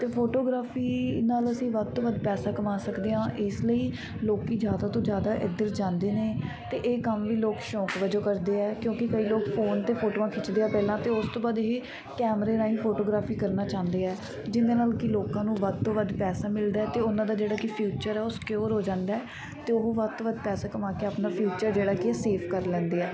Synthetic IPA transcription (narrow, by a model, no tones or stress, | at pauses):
t̪eːpʰoːʈoːɡɾaːpʰiːnaːləsĩːʋəd̪̚t̪õːʋəd̪pɛːsaːkəʋãːsəkd̪eːɦãːʔɪsləiː | loːkiːd͡ʒjaːd̪aːt̪õːd͡ʒjaːd̪aːʔɪd̪əɾd͡ʒãːnd̪eːneː | t̪eːʔeːkəmʋiːloːkʃɔ̃ːkʋəd͡ʒoːkəɾd̪eːɛːkjõːkɪkəiːloːkpʰoːnt̪eːpʰoːʈoːãːkʰɪt͡ʃd̪eːaːpɛːlãːt̪eːʊst̪õːbaːd̪ɦi | kɛːmɾeːnãːiːpʰoːʈoːɡɾaːpʰiːkəɾnaːt͡ʃãːnd̪eːɛː | d͡ʒɪnd̪eːnaːlkɪloːkãːnũːʋəd̪̚t̪õːʋəd̪pɛːsaːmɪld̪aːɛːt̪eːʊnãːd̪aːd͡ʒeːɽaːkɪpʰjuːt͡ʃəɾɛːʊskjoːɾɦoːd͡ʒãːnd̪aːɛː | t̪eːoɦʋəd̪̚t̪õːʋəd̪pɛːsaːkəmãːkeaːpnaːpʰjuːt͡ʃəɾd͡ʒeːɽaːkɪɛseːpʰkəɾlɛ̃ːnd̪eːɛː